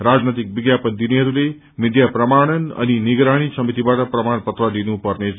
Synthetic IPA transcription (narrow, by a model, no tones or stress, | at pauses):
rad͡znʌt̪ik̚biɡjapʌnd̪ineɦʌɾule | mid̪japrʌmaɽ̃ʌnʌ̰niniɡɾaɽ̃isʌmit̪ibaʈʌprʌmaɳpʌt̪rʌd̪inupʌrne